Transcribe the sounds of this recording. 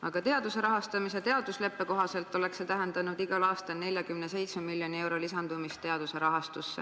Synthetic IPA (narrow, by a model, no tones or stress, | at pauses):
ɑɡ̥ɑt̪e̞ɑd̪̥use̞ɾɑɦɑst̪ɑmis̬et̪e̞ɑd̪usle̞pːe̞ko̞ɦɑse̞lt̪ːˑo̞le̞kset̪æɦe̞nd̪ɑnud̪̥iɡɑlɑːst̪ɑlne̞lʲjɑkymne̞s̬e̞jt̪smemilʲːjo̞nie̞wɾo̞lisɑnd̪̥umist̪ːe̞ɑd̪̥use̞ɾɑɦɑst̪usːḛ